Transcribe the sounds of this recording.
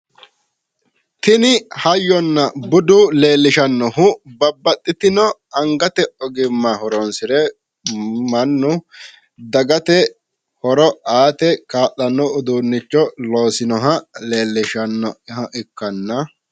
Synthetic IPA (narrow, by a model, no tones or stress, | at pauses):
t̪ɪnɪhɐjːɔnːɐbʊd̪ʊle̞ːlːɪʃɐnːɔɦʊbɐbːɐt̪ʼːɪt̪ɪnɔɐŋɡɐt̪ɛɔɡɪmːahɔɾɔnsɪɾɛ | mɐnːʊ | d̪ɐɡɐt̪ɛ | hɔɾɔaːt̪ɛkaːʔɐnːɔʊd̪uːnːɪt͡ʃːɔlo̞ːsɪnɔɦɐle̞ːlːɪʃɐnːɔɪɦɐʔɪkːɐnːɐ